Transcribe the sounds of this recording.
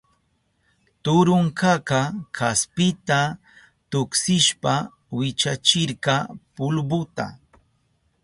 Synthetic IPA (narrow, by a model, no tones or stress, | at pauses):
t̪ʊɾʊŋkɑkɑkʰaspɪt̪a | t̪ʊksɪʃpa | wɪt͡ʃat͡ʃɪɾkɑpʊlbʊt̪a̰